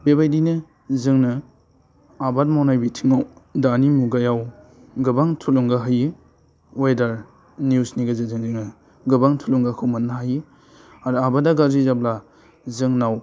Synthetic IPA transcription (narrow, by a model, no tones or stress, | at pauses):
bebajdinɯ | zɯŋnɯ | abat̚mawnajbitʰiŋawdanimuɡajaw | ɡɯbaŋtʰuluŋɡaɦaji | wajdaɾ | njusniɡazɯzɯŋzɯŋnɯ | ɡɯbaŋtʰuluŋɡakʰɯwmɐnːaɦaji | aɾabadaɡazizab̚la | zɯŋnaw